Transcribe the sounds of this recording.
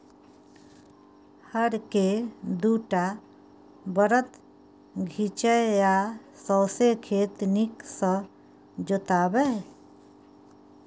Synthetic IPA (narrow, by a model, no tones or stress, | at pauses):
həɾked̪uʈa | bəɾət̪ | ɡʱit͡ʃəja | sɔwsekʰet̪niksə̃ | d͡ʒot̪abɛ